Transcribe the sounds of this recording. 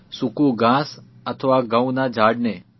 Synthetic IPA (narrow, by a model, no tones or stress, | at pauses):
sukũɡãs | ət̪ʰəʋaɡãũnad͡ʒʱaɖne